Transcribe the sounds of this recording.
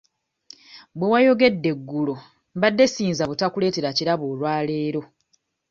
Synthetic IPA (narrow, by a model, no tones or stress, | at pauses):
bwewajo̞ɡe̞dːe̞ɡːulo̞ | mbadːe̞siːnzaβutakule̞ːte̞ɾaciɾaβoːlwaːle̞ːɾo̞